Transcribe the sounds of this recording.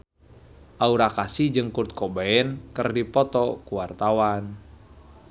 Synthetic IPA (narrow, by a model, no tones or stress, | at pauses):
ʔauɾakasid͡ʒɨŋkurt̪̚kɔbaɛnkɨrdipɔt̪ɔkuwart̪awan